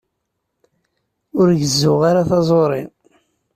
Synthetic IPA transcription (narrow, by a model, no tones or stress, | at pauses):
ʊɾʝəzːʊʁaɾaθɑzˤoɾˤɪ̰n